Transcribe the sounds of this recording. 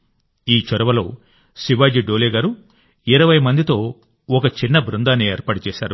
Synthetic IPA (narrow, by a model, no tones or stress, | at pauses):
iːt͡ʃɔɾɐʋɐlo̞̰ː | siʋaːd͡ʒiɖoːleːɡaːɾu | iɾɐʋɐjmɐnd̪it̪o̞ː | ɔkɐt͡ʃinːɐbɾund̪aːnieːɾpaːɽut͡ʃɛːʃsa̰ːɾu